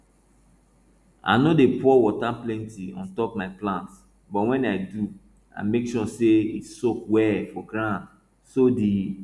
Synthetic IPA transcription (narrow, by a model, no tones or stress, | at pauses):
a̰nodepʰɔwɔtaplɛ̃ntiɔ̰̃ntɔp̚maɪplãnts | bɔtwɛ̃naɪdu | a̰mekʃɔseitsokwɛfɔɡɹãnd | sodi